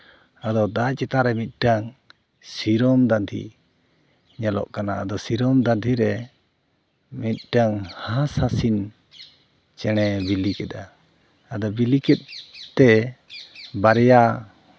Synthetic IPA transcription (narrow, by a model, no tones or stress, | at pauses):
ad̪ɔd̪at͡ʃɛt̪aɾɛmit̪̚ɖaŋ | siɾɔmd̪and̪ʰḭ | ɲalɔ̰ʔkanaad̪ɔsiɾɔmd̪and̪ʰʱiɾɛ | mit̪̚ˀʈaŋhasasin | t͡ʃɛɽ̃ɛbilikɛd̪aː | d̪ɔbilikɛt̪̚t̪ɛ | baɾɛja